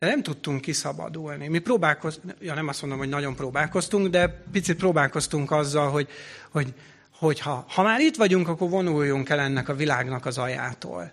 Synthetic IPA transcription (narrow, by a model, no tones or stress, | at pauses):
d̪̥ɛnɛmt̪ut̪ːuŋkːisɒbɒ̰d̪ulnimiproːbaːlko̞zjoːnɛmɒstmond̪omɦonɒɟo̞mproːbaːlko̞st̪uŋɡd̪ɛpit̪sit̪̚proːbaːlko̞st̪uŋkɒzːɒlɦo̞ɟho̞ɟ | ho̞chɒhɒmaːɾit̪ʋɒɟuŋkɒkːo̞rvo̞nujːoŋkɛlɛnːɛkɒvilaːɡnɒkɒzɒja̰ːt̪o̰ːl